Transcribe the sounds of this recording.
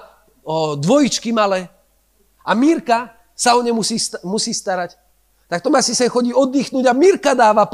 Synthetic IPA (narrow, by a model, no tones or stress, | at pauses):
d̪ʋɔjit͡ʃkimalɛː | amiɾka | saɔɲɛmusiːst̪musiːst̪aɾac | t̪akt̪ɔmasisɛnxɔɟiːɔd̪ːiːxnuːɟamiɾkad̪aːʋap